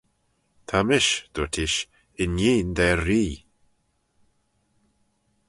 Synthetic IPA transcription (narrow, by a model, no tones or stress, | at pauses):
t̪ʰamɪʃd̪̥ot̪ʰɪʃ | ɪnjiːnd̪ɛɾiː